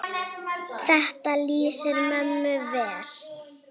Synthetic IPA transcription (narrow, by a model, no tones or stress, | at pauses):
θɛht̪aliːsɪɾmœmːʏvɛːl̥